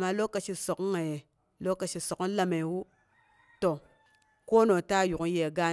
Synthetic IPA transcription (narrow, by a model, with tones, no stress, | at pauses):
ma˨lo˦ka˨ʃi˨so˨kŋa˨je˨ | lo˦ka˨ʃi˨so˨kla˦me˨wu˦ | to˨ | ko˦no˨ta˦˨ju˨ku˦je˦˨ɡa˦